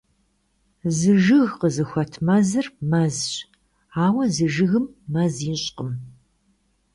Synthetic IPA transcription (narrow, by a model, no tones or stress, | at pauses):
zɨʒɨɣqəzɨxʷɐtʰmɐzɨrmɐzɕ | aːwɐzɨʒɨɣɨmːɐziɕʼqəm